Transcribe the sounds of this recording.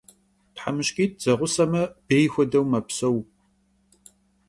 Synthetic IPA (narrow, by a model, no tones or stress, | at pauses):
tħamɨɕkʼiːt̚ʰz̥ɐʁʷʊsɐmɐb̥eːjxʷɔdɐwmɐpsɐw